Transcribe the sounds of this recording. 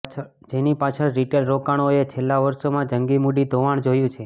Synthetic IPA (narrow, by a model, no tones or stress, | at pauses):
d͡ʒenipat͡ʃʰəɭɾiʈelɾokaɽ̃oet͡ʃʰelːaʋəɾʃomãd͡ʒəŋɡimuɖid̪ʱoʋaɳ̃d͡ʒojũt͡ʃʰe